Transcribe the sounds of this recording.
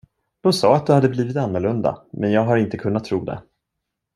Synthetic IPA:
d̪̥ɔmsɑːat̪̚d̪ɵhad̪ːəbliːvɪt̪anːɔɭɵnd̪a̰mɛnjɑːɡɦaɾɪnt̪əkʰɵnːat̪ʰːɾuːd̪ɛ̰

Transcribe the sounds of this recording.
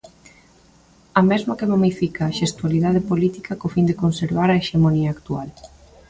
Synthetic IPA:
ɐmezmɐkemomifikaːʃest̪ualiðað̞epolit̪ikɐkofind̪ekonseɾβaɾɐeʃemoniɐːkt̪ual

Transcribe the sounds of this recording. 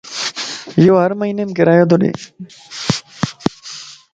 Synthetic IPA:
joɦɐɾmɐɦinemkeɾajod̪oɽḛ

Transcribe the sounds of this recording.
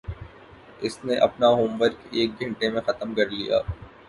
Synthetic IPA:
ɪsnẽʔɐ̰pnaɦoːmʋəɾkeːk̚ɡʱɐ̃ɳʈemẽxɐt̪əmkɐɾlija̰ː

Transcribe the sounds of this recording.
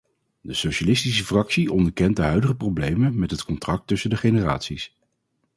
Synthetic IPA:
dəsowʃalɪstisəfrɑksiʔɔndəɹkɛnt̚dəɦœɥdəχəprowblejmənmɛtɦətkɔntrɑk̚tɵsəndəχejnəra̰ːtsis

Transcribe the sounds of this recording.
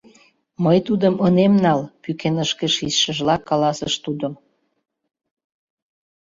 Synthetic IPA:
məjt̪ud̪əmənemnɑlpykenəʃkeʃisʃə̆ʒlɑkːɑlɑsəʃt̪ud̪om

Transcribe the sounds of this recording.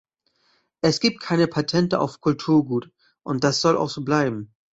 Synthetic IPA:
ʔɛsɡ̥iːp̚t̚kʰaɪnəpʰatʰɛntəʔa̰ʊfkʰʊltʰuːɐɡuːt | ʔʊnt̚d̥asz̥ɔlʔa̰ʊxz̥oːblaɪbm̩

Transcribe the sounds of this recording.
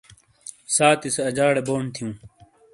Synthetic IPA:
saːt̪iseɐd͡ʑaːɽeboːɳt̪ʰijũː

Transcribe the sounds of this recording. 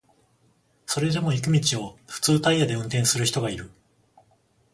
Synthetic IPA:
so̞ɾe̞d̪e̞mo̞ik̬ɯ̟mʲit͡ɕio̞ɸɯ̟̥t͡sɨːt̪aiːad̪e̞ɯ̟̃nt̪ẽ̞ɰ̃sɨɾɯçi̥t̪o̞ɡaiɾɯ̟

